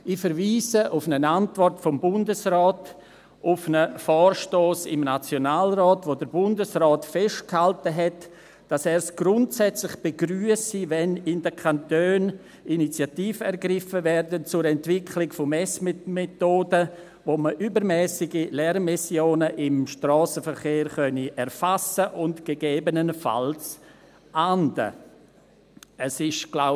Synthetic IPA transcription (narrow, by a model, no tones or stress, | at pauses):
ɪfəɾviːsəʔʊfnənantvɔrtfɔmbʊndəsrɔːt | ʊfnəfɔːrʃtoːsɪ̰mnat͡sjonaːlrɔːtvoːdəɾbʊndəsrɔːtfɛʃt̚khaltəɦɛt | d̥asɛːɾsɡ̥ɾʊntsɛt͡slɪχb̥eɡryːəsivɛnɪndəkʰantøːn | init͡sjatiːfəɛɾɡɾɪfəvɛrdənt͡sʊɾɛntvɪkʰlɪɡfomɛsmmetoːdə | voːməʔybəɾmɛːsɪɡilɛrmisjoːnəʔɪmʃtrɔːsəfəɾχeːɾχœniʔɛɾfasəʔʊntɡ̥eɡeːbənənfa̰ls | ʔandə̰ | əsɪʃɡ̥laʊ